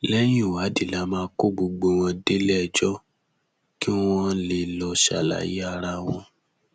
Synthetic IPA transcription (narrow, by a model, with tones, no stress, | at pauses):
lɛ˦j̃ĩ˦˨wa˨˦di˨la˨˦mãː˨˦˧ko˦˨ɡ͡bo˧ɡ͡bo˧w̃ɔ̃˧de˦lɛ˦˧˨d͡ʒɔ˦ | ki˦wɔ̃˦le˧lɔ˧ʃa̰˨la̰˨˦jḭ˦a˧ɾa˧w̃ɔ̃˧